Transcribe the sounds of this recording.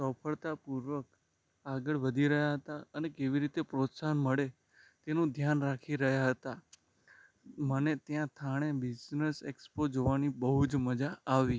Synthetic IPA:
səfʰəɭt̪apuɾʋək | aɡəɭʋəd̪ʱiɾəɦjaɦət̪aənekeʋiɾit̪epɾot̪sanməɭe | t̪enũd̪ʱjanɾakʰiɾəɦjaɦət̪a | mənet̪jãt̪ʰaɽ̃ebid͡ʒnəsekspod͡ʒoʋanibəɦud͡ʒməd͡ʒaːʋi

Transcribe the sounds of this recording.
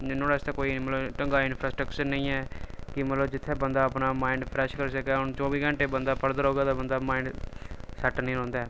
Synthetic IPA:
nːõːɽaːst̪aːkoːiːmət̪ləbʈəŋɡaːɪnpʰɾaːsʈɾəkt͡ʃəɾnəĩːɛːkɪmət̪ləbd͡ʒɪt̪ʰːeːbənd̪aːəpnaːmaːɪɳɖpʰɾɛːʃkəɾsəkɛːɦʊnt͡ʃɔːʋiːɡəɳʈeːbənd̪aːpəɾd̪əɾɦoːɡaːt̪aːbənd̪aːmaːiɳɖsəʈnĩːõːnd̪aː

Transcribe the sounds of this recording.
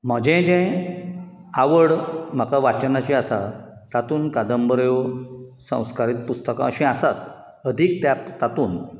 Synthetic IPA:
m̤əd͡ʑɛ̃d͡ʑɛ̃ | aʋəɽm̤əkaʋat͡ɕnat͡ɕĩasa̰ | t̪at̪uːnkad̪əmbəɾjosə̰̃w̃skaɾiːt̪̚pust̪əkãəɕɛ̃asat͡s | əd̪ʱiːk̚t̪jat̪at̪uːn

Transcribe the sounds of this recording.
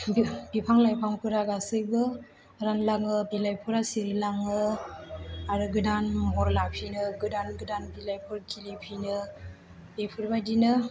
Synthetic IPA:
bipʰaŋlajpʰaŋkʰɯɾaɡasɯjbɯ | ɾanlaŋɯbilajpʰuɾasiɾilaŋɯ | aɾɯɡɯdanmɔɾlapʰinɯɡɯdanɡɯdanbilajpʰuɾkʰilipʰinɯ | b̥epʰuɾbadinɯ

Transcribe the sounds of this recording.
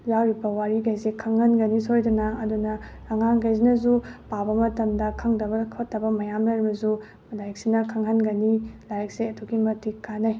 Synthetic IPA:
jawɾibɐwaɾiɡajzekʰɐŋhɐnɡɐnisojdunɐːdunɐ | ɐŋanɡajzinɐzupabɐmɐtɐmdɐkʰɐŋdɐbɐkʰɐtːɐbɐmɐjamlaɾibɐzu | lajk̚sinɐkʰɐŋɦɐnɡɐnilajɐk̚seɐtʰuɡimɐtikkːanaj

